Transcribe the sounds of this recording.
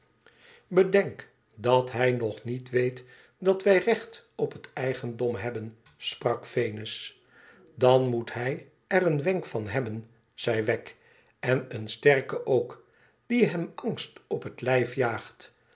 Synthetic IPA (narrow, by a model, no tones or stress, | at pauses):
bədɛŋk | dɑtɦɛjnɔχnitʋejt | dɑtʋɛjrɛχt | ɔpɦətɛjχəndɔmɦɛbən | sprɑkfejnɪs | dɑnmutɦɛj | ɛrənʋɛŋkfɑnɦɛbən | z̥ɛjʋɛk | ɛnənstɛɹkəʔowk | d̥iɦɛmɑŋstɔpɦətlɛjfjaːχt